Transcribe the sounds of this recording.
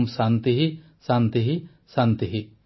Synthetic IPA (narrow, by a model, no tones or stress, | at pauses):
msant̪iɦi | sant̪iɦi | sant̪iɦi